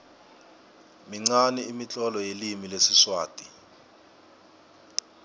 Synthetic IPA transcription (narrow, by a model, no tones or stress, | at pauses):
miŋ͡ǀaniimit͡ɬʼɔlɔjelimilesiswaːtʼi